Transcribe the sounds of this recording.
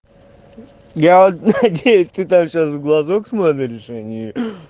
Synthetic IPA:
javot̪nɐdʲejʊsʲt̪ɨt̪amɕasɡlˠɐzoksmot̪əɾʲɪʂɛnʲɪjʊ

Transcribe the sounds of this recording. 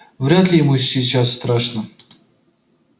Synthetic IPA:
vrʲat̪lʲejmusʲit͡ɕasːt̪ɾɑʂnɤ̆

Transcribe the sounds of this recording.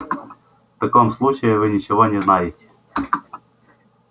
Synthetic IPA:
ft̪ɐkomslˠut͡ɕɪjɪvɨnʲɪt͡ɕɪvonʲɪznajɪtʲɪ̥

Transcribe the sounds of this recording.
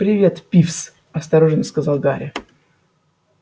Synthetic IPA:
pɾʲɪvʲe̞t̪pʲifs | ɐst̪ɐɾoʐənəskɐzalˠɡaɾʲɪ

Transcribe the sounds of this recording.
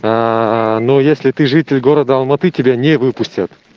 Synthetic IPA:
anojesʲlʲɪt̪ɨʐɨtʲɪlʲɡo̞ɾəd̪əɐlˠmɐt̪ɨtʲɪbʲanʲevɨpʊsʲtʲət̪

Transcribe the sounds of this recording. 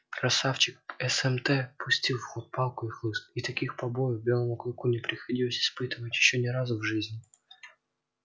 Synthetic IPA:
kɾɐsaft͡ɕɪk̚ɛsɛmt̪ɛpʰʊsʲtʲilˠfxot̪̚palˠkʊixlˠɨst̪it̪ɐkʲixpɐbo̞jvbʲe̞lˠəmʊklˠʊkunʲɪpɾʲɪxɐdʲilˠəsʲɪ̥spɨt̪ɨvətʲjɪɕːonʲɪɾazʊvʐɨzʲnʲɪ

